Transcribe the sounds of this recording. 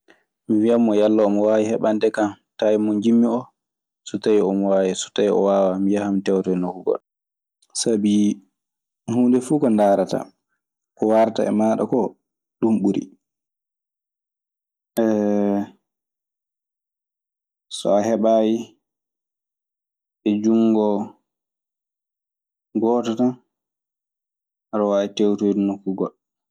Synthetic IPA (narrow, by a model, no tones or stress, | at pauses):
miwiamːɔjalːaːmɔwajihɛɓandɛkam | tajimɔnd͡ʒimːiɔ | sutajiɔmɔwaːjɛsu̥taiɔ̰waːwamijahamtɛwtɔɛnokuɡɔ̰ɗ | sabi | huːndɛfuːkɔndaːɾata̰ | kɔwaɾta̰ʔɛ̰maːɗɔ̰kɔ | ɗumɓuɾḭ | ʔɛ | sɔ̰aɦɛɓaːji | ɓɛd͡ʒuŋɡɔ | ɡɔːtɔtan | ɾɔwaɛtewtojdinokːuɡɔ̰l